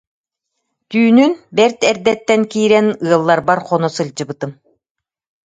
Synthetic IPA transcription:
t̪yːnynbɛɾt̪ɛɾd̪ɛt̪ːɛnkiːɾɛnɯɐlˠːaɾbaɾχɔnɔsɯld͡ʑɯbɯt̪ɯm

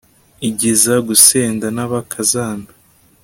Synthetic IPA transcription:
iɟizaɡuseːndanaβakʰazaːnḁ

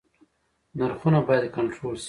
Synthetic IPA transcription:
naɾxunabɑjad̪kaɳʈɾols

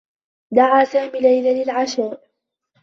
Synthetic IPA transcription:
d̪aʕaːsaːmiːlajlalɪlʕaʃaːʔ

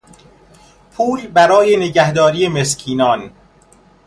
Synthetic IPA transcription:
pʰuːlbæɾɒːje̞neɟæhd̪ɒːɾiːjemeskʰiːnɒːn

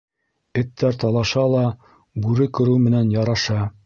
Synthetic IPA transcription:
ɘ̆t̪ːæɾt̪ɑlˠɑʃɑlˠɑ | bʉɾɘkɵ̆ɾɘwmɘ̆nænjɑɾɑʃɑ

